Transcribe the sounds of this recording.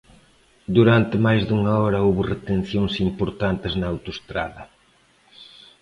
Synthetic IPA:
d̪uɾant̪ɪmajzðuŋɐɔɾɐowβʊret̪en̟θjoŋsimpoɾt̪ant̪ɪznɐawt̪ost̪ɾa̰ðɐ

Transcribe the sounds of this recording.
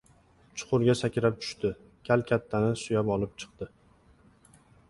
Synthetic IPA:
t͡ʃʰʊ̥qʰʊɾɡʲasakʲʰɪɾap̚t̪ʰʊ̥ʃt̪ɪ | kʲʰalkʲʰat̪ʰːanɪsʊjapɒlˠɪp̚t͡ʃʰɨ̥q̚t̪ɪ

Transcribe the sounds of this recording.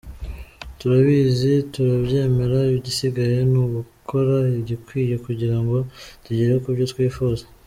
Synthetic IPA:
tuɾaβizituɾaβɟe̞ːme̞ɾaiiɟisiɡaje̞nuːɡukʰo̞ɾaiɟikwiːje̞kuɟiɾaŋɡo̞tuɟeɾekubɟo̞t̪wiːfuːzḁ

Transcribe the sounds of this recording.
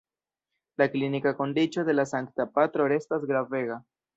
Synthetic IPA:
laklinikako̞ndit͡ʃo̞d̪e̞lasaŋktapatɾo̞ɾe̞stas̬ɡɾave̞ɣa

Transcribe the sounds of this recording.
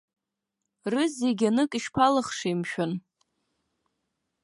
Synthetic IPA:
rɨzeɡʲanɨkʼiʃpʰalɨχʂiimʃᶣʊn

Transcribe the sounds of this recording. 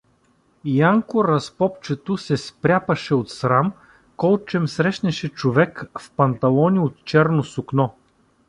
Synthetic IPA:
jaŋkʊɾɐspɔpt͡ʃɛt̪osɛspɾʲapɐʃɛot̪sɾam | kɔlˠt͡ʃɛmsɾɛʃnɛʃɛt͡ʃovɛkfpɐnt̪ɐlˠɔnʲiot̪t͡ʃɛɾnosʊknɔ

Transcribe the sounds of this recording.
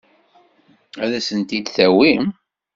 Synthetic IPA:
æðæsənt̪id̪θæwim

